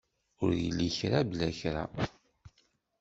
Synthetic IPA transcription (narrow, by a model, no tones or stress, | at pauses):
ʊɾjəlːiçɾablæçɾa̰